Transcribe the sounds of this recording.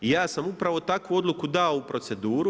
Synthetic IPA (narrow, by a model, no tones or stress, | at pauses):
ijaːsamupɾaʋo̞t̪akʋuo̞d̪lˠukud̪aoupɾo̞t̪se̞d̪uːɾu